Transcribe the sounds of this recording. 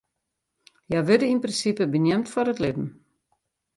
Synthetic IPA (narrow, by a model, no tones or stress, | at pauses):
jaʋɪdəinprɪnsipəbənjɛmtfɔrətlɪdn̩